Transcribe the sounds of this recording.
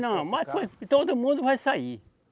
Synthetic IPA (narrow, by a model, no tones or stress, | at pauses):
nɐ̃mat̪õt̪od̪umũd̪uvajsai